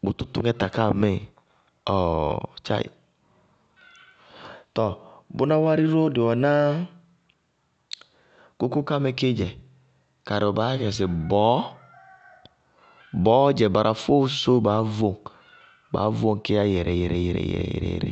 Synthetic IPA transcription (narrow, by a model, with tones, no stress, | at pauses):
bu˨t̪u˦t̪ṵ˦ŋɛ˦ta˨ka˦˨me˦˨ | ɔ˨t͡ʃa̰˦ḭ˨ | tɔ˨bu˦na˦wa˦ɾi˦ɾo˦de˨wɔ˨na˦ | ko˦ku˦ka˦me˨ke˦d͡ʒɛ˨ | ka˨ɾɔ˨baː˦fa˨s̬ɪ˨bɔ˨˦ | bɔ˨˦d͡ʒɛ˨ba˨ɾʔa˨fo˦s̬so˦ba˨˦vo˨ŋ | ba̰˨˦vo˦ŋ˨ke˦a˦jɛ˨ɾɛ˨jɛ˨ɾɛ̰˨jɛ˨ɾɛ̰˨jɛ̰˨jɛ̰˨ɾɛ̰˨jɛ̰˨ɾɛ̰˨